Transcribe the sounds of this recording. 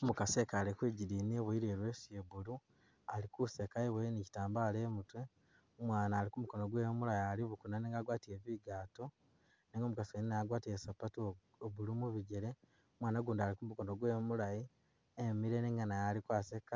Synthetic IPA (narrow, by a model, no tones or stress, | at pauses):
omukasekaːlikwiɟiɾiːnieβuiɾeːɾwe̞ːsjeβulu | alikuse̞kaiβwenici̥taːmbaːle̞ːmutwe̞ | omwaːnaːɾikumuko̞no̞ɡwe̞ːmulajaliβukunaneːŋɡaɡwaːtieβiɡaːto | neŋɡomukaseninaɡwaːtiesapatu | oβulumuβiɟeɾe̞ | omwaːnaɡuːndaːɾikumuko̞noɡwe̞ːmulaji | emiɾe̞neːŋɡanajalikwaːseka